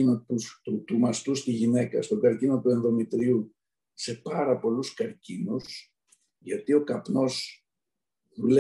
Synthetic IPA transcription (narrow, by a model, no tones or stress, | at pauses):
inot̪ut̪ut̪umɐst̪ust̪iʝine̞kɐ̰st̪o̞ɡɐɾcino̞t̪ue̞nðo̞mit̪ɾiu | se̞pɐɾɐpo̞luskɐɾcinus | ʝɐt̪io̞kɐpno̞z | ðule